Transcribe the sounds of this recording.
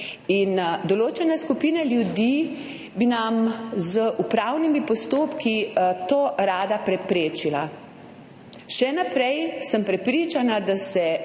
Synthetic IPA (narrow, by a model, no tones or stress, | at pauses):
ind̪ɔloːt͡ʃɛnaskupiːnaljud̪i | binamzəʔupɾawnimipɔst̪oːpkit̪oːɾaːd̪apɾɛpɾeːt͡ʃila | ʃɛnapɾɛjsəmpɾɛpɾiːt͡ʃanad̪asɛ